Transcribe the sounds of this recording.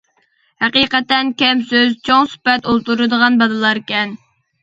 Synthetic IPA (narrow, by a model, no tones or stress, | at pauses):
hæqiqɛt̪ɛnkʲɛmsøzt͡ʃʰoŋsy̥pɛt̪olˠt̪uɾɨd̪əʁɑnbɑd̪ɨlˠɑɾkʲɛn